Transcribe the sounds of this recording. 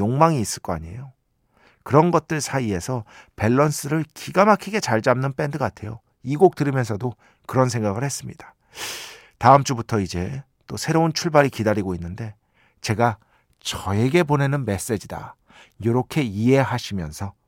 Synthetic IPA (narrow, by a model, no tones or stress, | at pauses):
joŋmaŋiːs͈ɯɭk͈ʌa̰ɲiḛjo | kɯɾʌnɡʌt̚t͈ɯɭsʰaie̞sʰʌpe̞ɭːʌns͈ɯɾɯɭkiɡamakʰiɡe̞t͡ɕaɭd͡ʑamnɯnp͈e̞ndɯkatʰe̞jo̰ | iɡok̚t͈ɯɾimjʌnsʰʌdo | kɯɾʌns̬ʰe̞ŋɡaɡɯɭhe̞s͈ɯmɲid̥ḁ | taɯmt͡ɕ͈ubutʰʌid͡ʑe̞ | t͈osʰe̞ɾount͡ɕʰuɭbaɾikidaɾiɡoinːɯnde̞ | t͡ɕe̞ɡa | t͡ɕʌe̞ɡe̞pone̞nɯnme̞s͈e̞d͡ʑida̰ | joɾʌkʰe̞ie̞ɦaɕʰimjʌnsʰʌ